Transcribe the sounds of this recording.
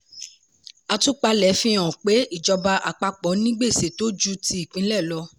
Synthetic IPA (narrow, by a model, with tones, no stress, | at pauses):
a˧tu˦k͡pa˧lɛ˨˦fĩ˧˦ɔ̃˨k͡pe˨˦i˦˨d͡ʒɔ˧ba˧ʔa̰˨k͡pa˧k͡pɔ˨˦nĩ˦ɡ͡be˦˨se˨to˦d͡ʒu˦ti˧˦i˦˨k͡pĩ˨˦lɛ˦˨lɔ˧